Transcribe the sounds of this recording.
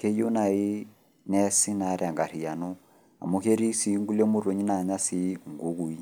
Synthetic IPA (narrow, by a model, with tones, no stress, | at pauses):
ke˦jo˦na˨i˦ | nɛ˦si˦na˨˦ɾa˨ŋɡa˨ɾi˨a˨no˦ | a̰˨mo˦ke˦ɾi˦si˦ŋɡu˦le˦mo˦ɾo˨ɲi˦na˨ɲa˦si˦ŋɡu˦ɣu˨i˦